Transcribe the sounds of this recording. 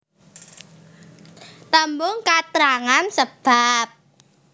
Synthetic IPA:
t̪əmbʊŋkat̪ɾaŋansəb̥ap̚

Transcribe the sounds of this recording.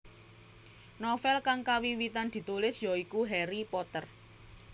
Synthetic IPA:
nɔfɛlkaŋkawiwit̪and̪̥i̤t̪ulɪsjɔikuɦɛɾipɔt̪ər

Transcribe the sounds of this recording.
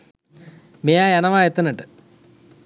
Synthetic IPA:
mejaːjɐnɐʋaːjet̪ːɐnɐʈːɨ

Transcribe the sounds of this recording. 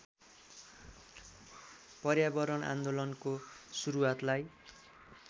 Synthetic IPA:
pʌrjabʌɾʌna̰nd̪olʌnkosuɾuwat̪laj

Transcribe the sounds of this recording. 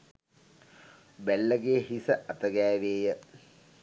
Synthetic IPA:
bælːəɡeːɦisəʔɐt̪əɡæːʋeːjə

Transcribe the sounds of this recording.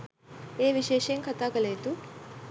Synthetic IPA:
eːʋiʃɛːʂɐjɐŋkʰɐt̪aːkɐleːd̪u

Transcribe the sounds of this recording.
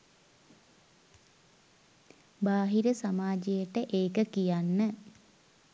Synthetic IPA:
baːɦiɾəsamaːd͡ʒəjəʈəʔeːkəkijanːə

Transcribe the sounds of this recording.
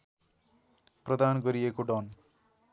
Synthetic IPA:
prʌd̪anɡʌɾiekoɖʌn

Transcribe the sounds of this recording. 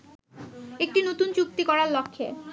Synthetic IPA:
ek̚ʈinot̪unt͡ɕuk̚t̪ikɔɾaɾlokʰːe

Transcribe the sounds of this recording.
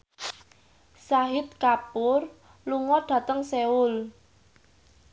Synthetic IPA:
saɦɪt̪̚kapʊr | luŋɔɖ̥a̤t̪əŋseʊl

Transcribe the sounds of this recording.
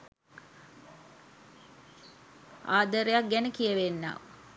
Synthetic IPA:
aːd̪əɾejak̚ɡænəkijəʋenːa̰ː

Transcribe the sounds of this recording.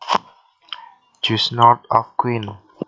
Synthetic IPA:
d͡ʒusnɔtɔfkwĩn

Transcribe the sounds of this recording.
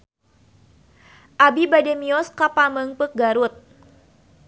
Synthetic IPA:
ʔabibadɛmiɔskapaməŋpək̚ɡaɾut̪̚

